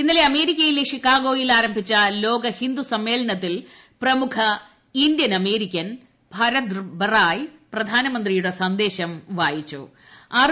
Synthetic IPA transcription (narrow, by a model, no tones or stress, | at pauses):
inːɐle̞ɐme̞ːɾikʲːɐjileʂikːaːɣo̞ːjilaːɾɐmbʱit͡ɕːɐlo̞ːɡɐhind̪usɐmːe̞ːɭɐɳɐt̪ːil | prɐmukʰɐ | ind̪jɐnɐme̞ːɾikʲːɐn | bʱɐɾɐt̪bɐraːjprɐd̪ʱaːnɐmɐnd̪rijuɽesɐnd̪e̞ːɕɐmʋaːjit͡ɕːṵ | aː